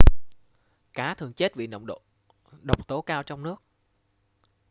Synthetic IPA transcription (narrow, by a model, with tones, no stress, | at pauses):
kaː˨˦t̪ʰɨ˨˩əŋt͡ɕe˦˥t̚vḭ˧˨nə̰˧˨wŋ͡mɗo˧˨ | ɗə˨˩wk͡p̚t̪o˨˦kaː˧wt͡ɕɔ˧wŋ͡mnɨ˦˥ək̚